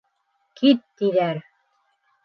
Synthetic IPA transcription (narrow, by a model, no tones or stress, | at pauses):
kʰit̪ːiðæɾ